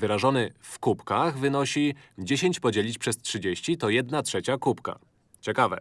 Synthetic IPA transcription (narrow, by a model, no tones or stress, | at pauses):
vɘɾaʐɔnɘfkupkaɣvɘnɔɕid͡ʑeɕeɲt͡ɕpɔd͡ʑelʲit͡ɕpʂɛstʂɘd͡ʑeɕt͡ɕit̪ɔjɛd̪natʂɛt͡ɕakupka̰ | t͡ɕɛkavɛ̰